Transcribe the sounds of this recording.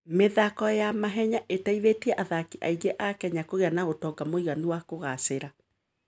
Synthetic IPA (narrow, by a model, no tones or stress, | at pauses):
meðakɔjamaɦɛɲaʔetaiðetiɛʔaðakiʔa̰iɣeʔakɛɲakoɣeanaɣotɔːɡamoiɣaniwakoɣaseɾa